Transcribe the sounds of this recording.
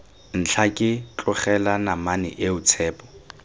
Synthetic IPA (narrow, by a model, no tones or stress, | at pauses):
n̩t͡ɬʰakʼɪt͡ɬʼʊχɛlanamanɪ̰ʔeʊt͡sʰɛːpʼɔ̥